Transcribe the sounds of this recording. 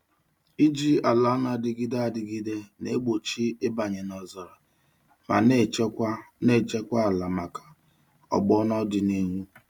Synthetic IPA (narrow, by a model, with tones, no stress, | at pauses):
i˦d͡ʒi˦a˨la˨˦na˨dɪ˨ɡi˦da˨dɪ˨ɡi˦de˦ne˦ɡ͡bo˨t͡ʃi˦ɪ˦ba˨ɲe˨nɔ˨zɔ˨ɾa˨ | ma̰˨ne˦ne˦˨t͡ʃe˦kʷa˦a˨la˨ma˨kḁ˨ | ɔ̰˨ɡ͡bɔ˦nɔ˦dɪ˨ni˦ŋʷu˦